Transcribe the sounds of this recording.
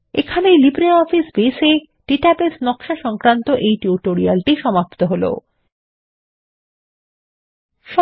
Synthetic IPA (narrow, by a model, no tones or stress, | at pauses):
ekʰanelibɾeɔfisbeʃe | ɖ̥iʈabesnɔkʃaʃɔŋkɾant̪oʔejʈiuʈoɾialʈiʃɔmapt̪oɦolo̰ | ʃɔ